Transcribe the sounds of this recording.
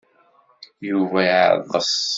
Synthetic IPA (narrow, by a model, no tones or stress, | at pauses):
juvæʕ̰ðˤəs